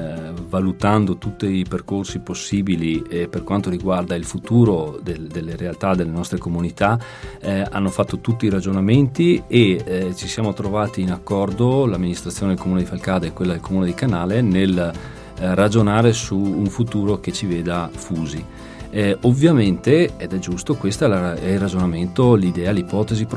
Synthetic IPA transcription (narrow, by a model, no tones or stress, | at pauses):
valut̪and̪ot̪ut̪ːiiperkorsiposːiːbilieperkwant̪oɾiɡward̪ailfut̪uːɾod̪ed̪elːeɾealt̪ad̪elːenɔst̪ɾekomunit̪a | a̰nːofat̪ːot̪ut̪ːiːɾad͡ʒonament̪iet͡ʃisjaːmot̪ɾovaːt̪iːnakːɔrd̪olamːinist̪ɾat̪sːjoːned̪elkomuːned̪ifalkaːd̪eɛkːwelːad̪elkomuːned̪ikanaːlenel | rad͡ʒonaːɾesuːɱfut̪uːɾok̟et͡ʃiveːd̪afuːzi | ovːjament̪eɛd̪ɛd͡ʒust̪okwest̪oɛlaɛilrad͡ʒonament̪olid̪ɛːalipɔːt̪ezip